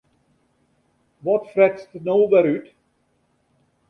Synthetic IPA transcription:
ʋɔtfrɛtstənowʋɛɾyt

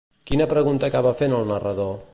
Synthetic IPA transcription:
kinəpɾəɣunt̪əːkaβəfenəlˠnərəðo

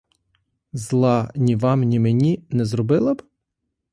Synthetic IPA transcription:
zlˠɑnʲiʋɑmnʲimenʲinɛzɾɔbɪlˠɐb

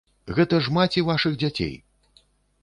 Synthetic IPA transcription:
ɣɛt̪ɐʐmat͡sʲivaʂɨɣd͡zʲat͡sʲḛj

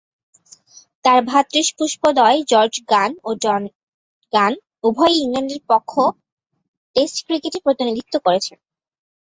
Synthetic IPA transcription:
t̪aɾbʱat̪ːɾiʃpuʃpod̪ɔed͡ʑɔɾd͡ʑɡano | ɡ̥an | ubʱɔjiŋlaɳɖeɾpɔkʰːo | ʈesʈkɾikeʈepɾot̪inid̪ʱit̪ːokoɾet͡ɕʰen

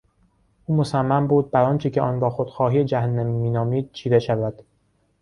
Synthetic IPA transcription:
ʔuːmosæmːæmbuːd̪̚bæɾɒːnt͡ʃʰecʰeʔɒːnɡɒːxod̪̥xɒːɦiːed͡ʒæhænːæmimiːnɒːmiːd̪̥̚t͡ʃʰiːveʃævæd̪̥

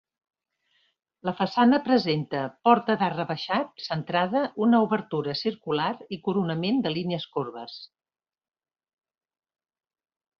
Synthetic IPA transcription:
ləfəsanəpɾəzent̪əpɔɾt̪əðarəβəʃat̪̚sənt̪ɾaðəʔunəuβəɾt̪uɾəsiɾkulaɾikuɾunəmend̪əlineəskorβəs

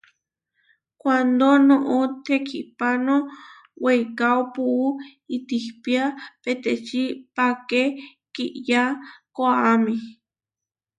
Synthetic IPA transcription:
kʷand̪onõʔot̪ʰekʰiʔpano | wejkawpuʔuit̪ihpiapet̪et͡ʃipake | kiʔjakoaːmĩ

